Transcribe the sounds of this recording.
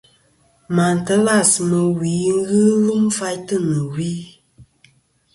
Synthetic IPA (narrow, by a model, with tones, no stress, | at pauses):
ma˨n̩˨tə˦la˦˨smə˨wi˨˦ŋ̩˦ɣɨ˦lu˦mfa˧jtɨ˦˨nɨ˨wi˦